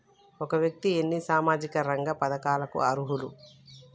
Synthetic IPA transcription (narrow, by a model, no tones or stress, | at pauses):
ɔkɐʋjɐk̚t̪ienːisaːmaːd͡ʒikɐɾɐŋɡɐpɐd̪ɐkaːlɐkṵɐɾuɦulu